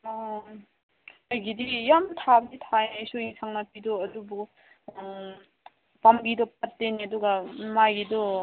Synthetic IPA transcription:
ajɡidijamtʰabditʰaejsuiŋsʰaŋnapidɔɐdubu | pamɡidɔp̚atːeniɐduɡamajɡidɔ

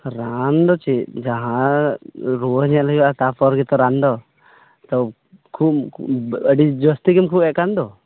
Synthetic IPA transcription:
ɾand̪ɔt͡ʃid͡ʒaɦã | ɾoɦɲɛlɦiwat̪apɔɾɡit̪ɔɾand̪ɔ | t̪ɔ | kʰup̚ | əɖid͡ʒɔst̪ikimkʰupɛʔkand̪ɔ

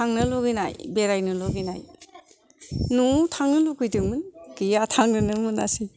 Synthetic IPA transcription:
tʰaŋnɯlɔɡina̰jbeɾajnɯlɔɡina̰j | nutʰaŋnɯlukʰɯjdɯŋmɯnkɯjatʰaŋnɯnɯmɯnasi

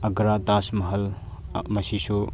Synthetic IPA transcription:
ɐɡɾad̪aːsmɐɦɐl | mɐsiʃo

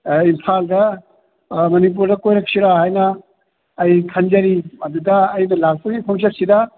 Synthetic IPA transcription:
impʰaldɐ | mɐnip̬uɾdɐkojɾɐk̚siɾahajnɐː | jkʰɐnd͡ʒɐɾimɐdudɐːjnɐlak̚pɐɡipʰoŋs̬ɐsidɐ

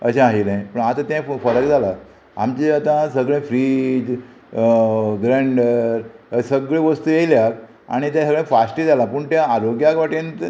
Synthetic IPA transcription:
əɕãaɦilãjpəɳat̪ãt̪ɛ̃fəɾəkd͡zʱala | a̰mt͡ɕeat̪ãsəɡɭẽfɾid͡ʑ | ɡɾaɳɖəɾsəɡɭẽʋəst̪uːjeljak | a̰ɽ̃it̪jãsəɡɭẽfasʈid͡zalapuːɳt̪jãaɾoɡjakʋaʈint̪

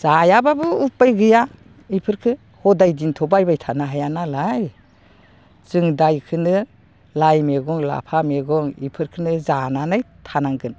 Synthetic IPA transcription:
z̥ajababɯupːajɡɯja | ipʰɯɾkʰɯ | hɔdajdintʰɔbajbajtʰanaɦajanalaj | z̥ɯŋdajkʰɯnɯ | lajmeɡɔŋla̰pʰameɡɔŋḭpʰɯɾkʰɯnɯzananajtʰanaŋɡɯn

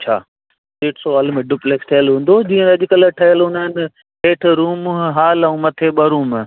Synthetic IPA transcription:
t͡ɕʰaː | seːʈʰsoɐlmẽɖʊpleːksʈʰɐjəlɦũːn̆d̪od͡ʑĩːə̃ɐʄkəlʈʰɐjəlɦʊnənɪ | ɦeːʈʰɾuːmɦaːlɐũːmɐt̪ʰeɓɐɾuːm

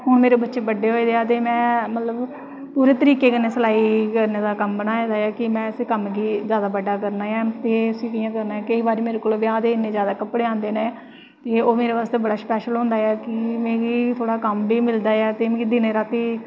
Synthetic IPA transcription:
ɦʊɳmeːɾeːbətːʃeːbəɖeːɦoːiːd̪eːaːt̪̬eːmɛ̃ːmət̪ləb | puːɾeːt̪əɾiːkeːkɪnːeːsəlaːikəɾneːd̪aːkəmbənaːẽːd̪aːjɛːkɪmɛ̃ːɪsiːkəmɡiːzjaːd̪aːbəɖaːkəɾnaːjaːt̪eːəsĩːkɪjãːkəɾnaːɛːkəiːbaːɾiːmeːɾeːkoːlʋɪãːd̪eːɪnːẽːzjaːd̪aːkəpːɽeːãːnd̪eːnẽː | t̪eːoːmeːɾeʋaːst̪eːbəɽaːspɛːʃəlɦõːnd̪aːɛːkɪmeːɡiːt̪ʰoːɽaːkəmbiːmɪld̪aːɛːt̪eːmɪd̪iːneːɾaːt̪eː

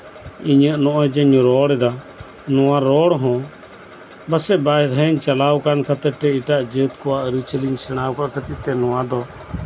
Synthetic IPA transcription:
iɲəʔnɔʔɔjd͡ʒəɲɾɔɽɛd̪a | nɔwaɾɔɽɦɔ̃ | basɛbajɾɦəɲt͡ʃalawkankat̪ɛʈɛiʈaʔd͡ʒət̪kɔwaʔɾut͡ʃəliɲsɛɽ̃awkaʔkət̪it̪ɛnɔwad̪ɔ

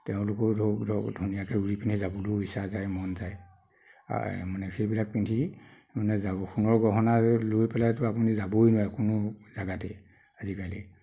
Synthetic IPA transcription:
tɛʊ̃lʊkɔɹdʱɔdʱunijakɛuɹipintʰizabuloisazajmɔnzaj̰ | manɛxejbilak̚pintʰi | manɛzaxʰunɔɹɡɔɦɔnalojpɛlajtʊapunizabojnɔakʊnʊzaɡatɛ | azikajlɛ̰

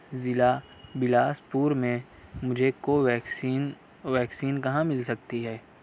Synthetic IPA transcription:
zɪla | bɪlaːspuːɾmẽ | mʊd͡ʒʱekoɛːsin | ʋɛːksiːnkɐɦãmɪlsɐk̚t̪iɦɛː

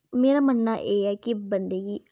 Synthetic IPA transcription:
meːɾaːmənːaːʔeːɛːkɪbənd̪eːɡiː

